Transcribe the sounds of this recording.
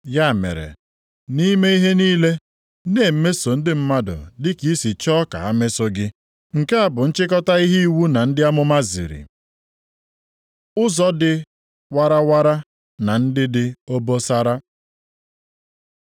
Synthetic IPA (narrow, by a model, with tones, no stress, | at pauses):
ja˦˨mḛ˨ɾḛ˨ | ni˦me˦i˦ɦe˦niː˦le˦ | neː˨m̩˦me˦so˨n̩˦dɪ˦m̩˦ma˦dʊ̰˨dɪ˦ki˦si˨t͡ʃɔː˦ka̰˨a˦me˦so˦ɡɪ˦ | ŋ̩˨ke˦a˨bʊ˨n̩˦t͡ʃɪ˦k̬ɔ˦ta˦i˦ɦi˦i˦wu˦na˨n̩˦dɪ˦a˦mʊ˦ma˦zḭ˨ɾḭ˨ | ʊ˦zɔ˦dɪ˦ | wa˦ɾa˦wa˦ɾa˦ | na˨n̩˦dɪ˦dɪ˦o˦bo˦sa˦ɾa˦